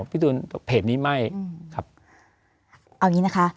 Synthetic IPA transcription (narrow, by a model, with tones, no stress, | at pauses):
pʰi˦˥˩t̪uː˧npʰeː˨˩t̪̚niː˦˥ma˥˩jkʰa˦˥p̚ | ʔa˧˩wɲiː˦˥na˦˥kʰa˦˥ʔ